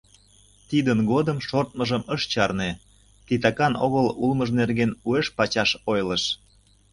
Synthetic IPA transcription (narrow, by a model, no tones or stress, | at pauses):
t̪id̪ənɣod̪əmʃort̪̚məʒəməʃt͡ɕɑrne | t̪it̪ɑkɑnoɣəlulməʒnerɣenueʃpɑt͡ɕɑʃojləʃ